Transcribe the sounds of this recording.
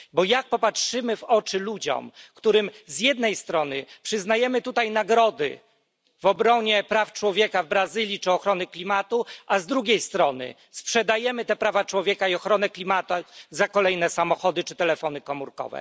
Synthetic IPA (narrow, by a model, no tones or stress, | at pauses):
bɔjak̚pɔpatʂɘmɘvɔt͡ʂɘlud͡ʑɔ̰mkt̪uɾɘmzjɛd̪̚nɛjst̪ɾɔnɘpʂɘznajɛmɘt̪ut̪ajnaɡɾɔd̪ɘ̰ | vɔbɾɔɲɛpɾaft͡ʂwɔvʲjɛkavbɾazɘlʲjit͡ʂɘɔxɾɔnɘklʲimat̪uazd̪ɾuɡʲejst̪ɾɔnɘ̰ | spʂɛd̪ajɛmɘt̪ɛpɾavat͡ʂwɔvʲjɛkaiɔxɾɔnɛklʲimat̪azakɔlɛjnɛsamɔxɔd̪ɘt͡ʂɘt̪ɛlɛfɔnɘkɔmuɾkɔ̰vɛ̰